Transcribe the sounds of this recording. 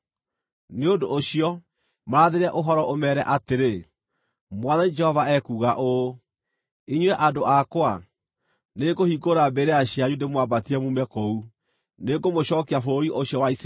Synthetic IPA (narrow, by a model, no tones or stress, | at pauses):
neodoːɕiɔ | maɾaðeɾɛʔoɦɔɾɔʔomɛɾɛʔateɾe | mwaðanid͡ʒɛhɔvaɛkuːɣaʔo | iɲwɛʔadoakwa | neɡohikoɾabeɾeaɕiaɲudemwabatiɛmumɛkou | neɡomoɕɔːkeafoɾiʔoɕjɔwais